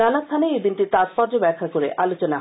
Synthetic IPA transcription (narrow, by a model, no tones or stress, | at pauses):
anast̪ʰaneed̪inʈiɾt̪aspɔɾd͡ʑobɛɾkʰːakoɾeʔalot͡ɕona